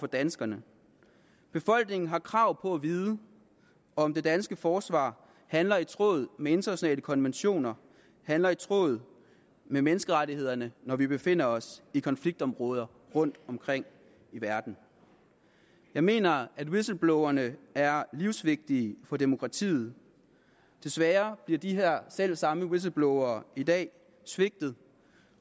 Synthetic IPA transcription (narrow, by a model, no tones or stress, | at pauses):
fɒ̽d̥ænsɡ̥ɐnə | b̥e̝fɒ̽l̰ɡ̥ne̝ŋn̩ɦɑ̈kʰʁɑ̈ʊ̰pʰɒ̽æʋiːðˠə | ɒ̽md̥e̝d̥ænsɡ̥əfɒːsʋɑ̰̈ː | hænlɐit͡sʰʁo̝̰ːð̩ˠmee̝nd̥ɐnæɕjo̝nɛ̰ːləkʰɒ̽nʋenɕo̝̰ːnɐ | hænlɐit͡sʰʁo̝̰ːð̞̩ˠ | memenəsɡ̥əʁaɾihe̝ð̰ˠɐnənɒʋib̥e̝fe̝n̰ɐɒ̽sikʰɒ̽nfliɡ̥̚d̥ɒ̽mʁɔ̽ːð̞ˠɐ | ʁɔ̽n̰d̥ɒ̽mkʰʁeŋ̰ | iʋæɐd̥n̩ | jɑ̈ɪme̝̰ːnɐæd̥wisl̩b̥lɔʊɐnəæɐliʊsʋe̝ɡ̥̚d̥iːfɒ̽d̥e̝mo̝kʰʁɑ̈t͡sʰḭːð̩ˠ | d̥e̝sʋæːɐb̥liɐd̥iɦeɐ̰sel̰sɑ̈məwis̬l̩b̥lɔʊɐːid̥ɛ̰ː | sʋe̝ɡ̥̚d̥ð̩ˠ